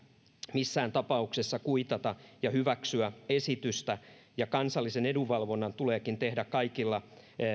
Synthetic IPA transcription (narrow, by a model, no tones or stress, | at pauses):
misːæːnt̪ɑpɑuksesːɑkuit̪ɑt̪ɑjɑhyʋæksyæesit̪yst̪æjɑkɑnsɑlːiseneduʋʋɑlʋo̞nːɑnt̪uleːkint̪ehdækkɑikilːɑ